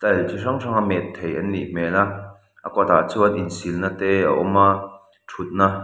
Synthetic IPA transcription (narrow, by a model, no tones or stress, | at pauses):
t̪ɐlt͡ɕʰirɐŋrʰaŋamɛt̪ʰːejɐnːḭʔmɛla | ʔɐ̰kɔt̪aːt͡suʔɐninsilnat̪ɛa̰ʔɔ̰ma | tʰut̪̚na